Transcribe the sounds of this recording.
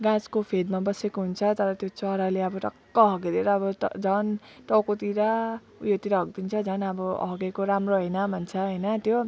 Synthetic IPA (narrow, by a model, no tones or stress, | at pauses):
ɡãt͡skopʰed̪mabʌsekoɦunt͡sʰʌt̪ʌɾʌt̪jot͡sʌɾaleʌbʌʈʌkːʌɦʌɡeɾeɾʌːbʌd͡zʱʌn | ʈʌwkot̪iɾa | ujot̪iɾaɦʌɡ̚d̪int͡sʰʌd͡zʱʌnʌbʌɦʌɡekoɾamroɦʌjnʌbʱʌnt͡sʰʌɦʌjnʌt̪jo